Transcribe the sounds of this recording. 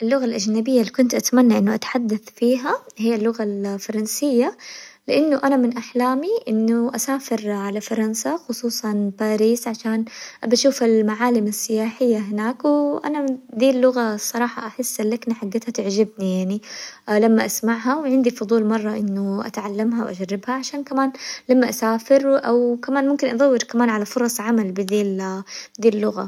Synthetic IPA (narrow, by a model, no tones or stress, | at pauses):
ʔɪlːʊɣalʔad͡ʒnabɪjːalːikʊnt̪ʔat̪manːaʔɪnːʊʔat̪ħad̪ːaθfiːɦahijːalːʊɣalfɑɾˤɑnsɪjːalɪʔanːʊʔanamɪnʔaħlaːmiʔɪnːʊʔasaːfɪɾʕalafɑɾˤɑnsaxʊsˤuːsˤɑnbaːɾiːsʕaʃaːnʔabaʃuːfɪlmaʕaːlɪmasːɪjaːħɪjːaɦɪnaːkwɪʔa̰nad̪iːlːʊɣasˤːɑɾˤɑːħɑʔaħɪsːʔɪlːaknaħaɡːaːt̪hat̪ɪʕd͡ʒɪbnijaʕnilamːaʔasmaʕɦawʕɪnd̪ifʊd̪ˤuːlmɑrˤːɑʔɪnːʊʔa̰t̪ʕalːamɦawʔa̰d͡ʒarːɪbhaʕaʃaːnkamaːnlamːaʔasaːfɪɾʔawkamaːnmʊmkɪnʔɑd̪ˤɑwːɪɾkamaːnʕalafʊɾˤɑsˤʕamalbɪd̪iːld̪iːlːʊɣa̰